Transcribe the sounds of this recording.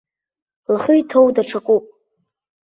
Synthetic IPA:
laχʊitʰowdaʈ͡ʂʰakʷʼupʼ

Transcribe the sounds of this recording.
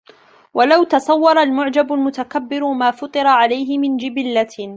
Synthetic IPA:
walawt̪ɑsˤɑwːɑɾˤalmʊʕd͡ʒabʊlmʊt̪akabːɪɾʊmaːfʊt̪ˤɨɾɑʕalajɦɪmɪnd͡ʒɪbɪlːa

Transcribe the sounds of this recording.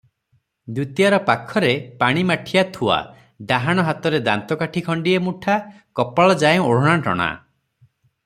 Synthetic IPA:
d̪ut̪ijaɾɔpakʰɔɾepaɽ̃imaʈʰijat̪ʰua̰ | d̪aɦaɽ̃ɔɦat̪ɔɾed̪a̰nt̪ɔkaʈʰikʰɔɳɖiemuʈʰa | kɔpaɭɔd͡ʒajɔ̃oɽ̤ɔɽ̃aʈɔ̰ɽ̃a̰

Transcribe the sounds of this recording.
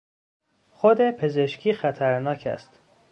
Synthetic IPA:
xod̪e̞pʰe̞ze̞ʃcʰiːxæt̪ʰæɾnɒːcʰæ̰st̪

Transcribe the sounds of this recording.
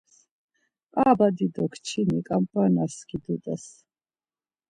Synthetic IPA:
aːbad̪id̪ɔkʰt͡ʃʰinɛkʼampʼanaskid̪ut̪ʼɛs

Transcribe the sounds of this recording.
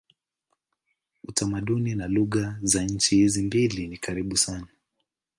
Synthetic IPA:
utʰamaɗuninaluɣazaɲ̩t͡ʃihizimbilinikʰaɾiɓusana

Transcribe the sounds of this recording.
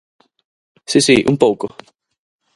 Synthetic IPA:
sisiʔṵmpowko

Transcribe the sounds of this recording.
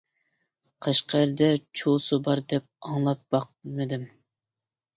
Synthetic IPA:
qʰɑʃqʰɑæɾd̪ɛt͡ʃʰosɨbɑɾd̪ɛp̚ɑŋlˠɑp̚b̥ɑqmɨd̪ɪm

